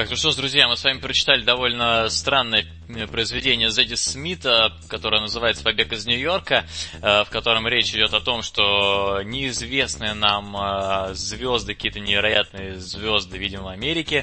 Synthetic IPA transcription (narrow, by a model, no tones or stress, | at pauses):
ak̚t̪oʂt̪ozd̪ɾʊzʲjamɨsvamʲɪpɾət͡ɕɪ̥t̪alʲɪd̪ɐvo̞lʲnəst̪ɾanːəjə | pɾəɪzvʲɪdʲenʲɪjəzədʲɪsmʲit̪ə | kɐt̪oɾəjənəzɨvajɪt̪səpɐbʲekɪznʲʊjo̞rkəfkɐt̪o̞ɾəmɾʲet͡ɕɪdʲo̞t̪ɐt̪o̞mʂt̪o̞nʲɪɪzvʲe̞snɨjənam | zvʲo̞zd̪ɨkɐkʲijət̪ənʲɪvʲɪɾɐja̰t̪̚nɨjəzvʲo̞zd̪ɨvʲidʲɪməvɐmʲeɾʲɪkʲɪ